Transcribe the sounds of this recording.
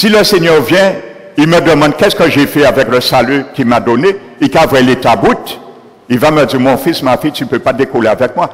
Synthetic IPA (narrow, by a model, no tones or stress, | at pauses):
siləseɲœʁvjɛ̃ | ilmədəmɑ̃d̚kɛskəʒefɛavɛkləsalykimadone | ikavwɛletabut̪ | ilvaməd͡ziʁmɔ̃fismafitypøpadekoleavɛk̚mwa